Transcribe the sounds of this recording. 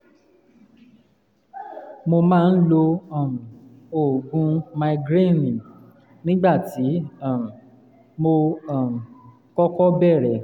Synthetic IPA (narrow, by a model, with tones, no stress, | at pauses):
mo˧mãː˦˧n̩˦lo˧ɔ˦˨ | o˨ɡũ˨˧ma˧ɡɾe˦˨nĩ˨ | nĩ˦ɡ͡ba˦˨ti˨˦a˦˨m˨ | mo˧a˦˨m̩˨ | kɔ˦kɔ˦bɛ˦˨ɾɛ˨